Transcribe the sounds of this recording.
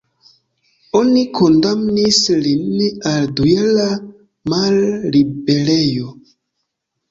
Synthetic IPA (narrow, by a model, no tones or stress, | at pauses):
onikʰondamnislinːaldujela | malːibelejo